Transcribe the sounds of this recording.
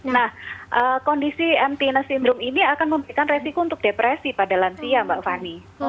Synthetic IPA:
nahʔəkɔndisiɛmt̪inasindɾʊminiakanməmbəɾikanresikount̪ʊk̚depɾesipadalansiambaʔfani

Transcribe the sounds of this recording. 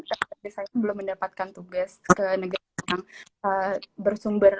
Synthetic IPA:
taadisajaŋbəlʊmːəndapat̪̚kant̪uɡaskənəɡaɾaataŋəbərsumbər

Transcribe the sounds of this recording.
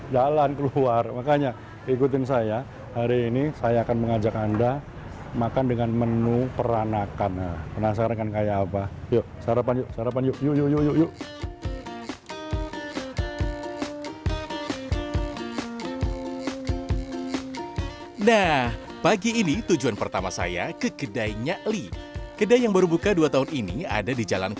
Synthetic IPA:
d͡ʒalankəluarmakaɲa | ikut̪̬ɪnsaja | haɾiːnisajaːkanməŋad͡ʒakanda | makandəŋanmənupəɾanakanapənas̬akakankajaːpajoʔsaɾapanjʊʔsaɾapanjʊʔjuʔjʊjujuʔjʊʔ | nah | paɡiːnit̪ud͡ʒuanpərt̪amasa̰jakəkədajɲaʔlikədajjaŋbaɾubukaduat̪aɦʊninia̰dadid͡ʒala̰n

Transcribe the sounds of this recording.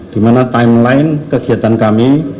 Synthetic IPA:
d̪̥imanat̪aɪmlaɪnkəɡ̥i̤at̪ankami

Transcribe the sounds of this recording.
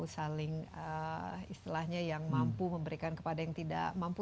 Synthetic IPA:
usalɪŋəist̪ilahɲajaŋmampuməmbəɾikankə̥padajaŋt̪ida̰ʔmampu

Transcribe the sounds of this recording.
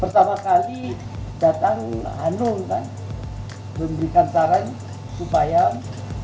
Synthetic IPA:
pərt̪amakali | dat̪aŋɦa̰nʊŋkan | bəmbəɾikant̪aɾan | supaja

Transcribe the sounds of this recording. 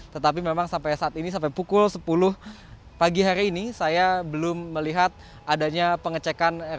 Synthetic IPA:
t̪ət̪ap̬imemaŋsampajsaat̪inisampajpukʊlsəpulʊh | paɡiɦaɾiːnisajabəlʊmːəliɦat̪̚ | adaɲapəŋət͡ʃekan

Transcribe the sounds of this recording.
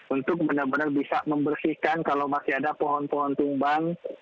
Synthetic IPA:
unt̪ʊk̚bənarbənarbisaməmbərsihkankalawmasiadapɔɦɔnpɔɦɔnt̪uŋbaŋ

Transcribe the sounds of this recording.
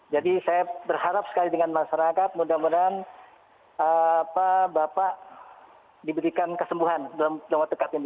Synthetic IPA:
d͡ʒadisajabərhaɾap̚sə̥kalidəŋanmaʃaɾakat̪̚mudahmudan | əapabapaʔ | dibəɾikankəsəmbuɦandalamudaamwat̪̚dəkat̪and

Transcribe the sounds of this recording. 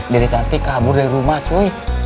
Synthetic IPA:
dɛɾit͡ʃant̪ikabʊrdaɾiɾumaht͡ʃui

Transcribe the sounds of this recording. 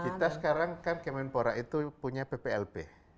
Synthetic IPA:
it̪asə̥kaɾaŋkankemɛnpoɾaʔit̪upuɲapepeɛlpe

